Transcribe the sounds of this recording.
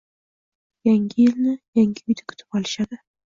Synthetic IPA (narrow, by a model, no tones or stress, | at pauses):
jaŋɡʲɪjɪlnɪjaŋɡʲɪʊjd̪akʲʰʊ̥t̪ʰɪ̥pɒlˠɪʃad̪ɪ